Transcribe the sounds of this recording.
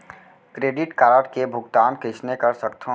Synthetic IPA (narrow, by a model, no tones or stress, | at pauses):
kɾeːɖɪʈkaːɾəʈkebʱʊɡt̪aːnkɪsnekəɾsəkt̪ʰõ